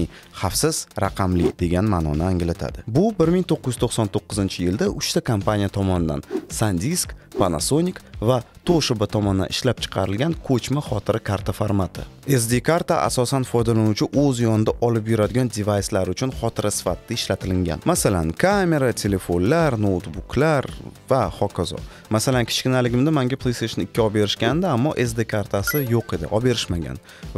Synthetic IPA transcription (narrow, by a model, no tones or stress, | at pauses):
ɪ | χafsɪz̥ɾaqʰɑmlɪkʲd̪e̞ɡʲanmanɒ̰nɪaŋɪlat̪ʰa̰d̪ɪbʊbɪɾmiŋt̪ʰoqːɨj̪t̪ʰoχsɒnt̪ʰoqːɨzɪnt͡ʃʰɪjɪld̪aʔʊʃt̪akʰampanʲijat̪ʰɒmɒnɪd̪a̰nsand̪ʲiskpana̰sonʲɪkvat̪ʰoʃɪbɪt̪ʰɒmɒnd̪a̰nɪʃlap̚t͡ʃʰɨ̥qʰɑɾɪlɡʲankʰɵt͡ʃmaχɒt̪ʰɪɾɪkʰaɾt̪ʰafaɾmat̪ʰɪ̰e̞s̬d̪ekʰaɾt̪aʔa̰sɒsanfɒjd̪alanʊt͡ʃʰɪʔɵzjɒnɪd̪aʔɒlɪpjʊɾad̪ɪɡʲand̪ivajslaɾʊt͡ʃʰʊnχɒt̪ɪɾʔasɪ̥fat̪ʰːaɪʃlat̪ʰɪlɪŋɡʲa̰nmasala̰nkʰamʲe̞ɾat̪ʰe̞le̞fonlaɾnowt̪bukʰlaɾvaχɒkʰazɒ̰ | masalankʲʰɪ̥t͡ʃkʲɪnalɪɡʲɪmd̪amaŋɡʲapʰlˠejseʃonɪkʲːaɒbe̞ɾɪʃkʲand̪ɪamːɒʔe̞s̬d̪ekʰaɾt̪ʰasɪjoqe̞d̪ɪ̰ʔɒbe̞ɾɪʃmaɡʲa̰n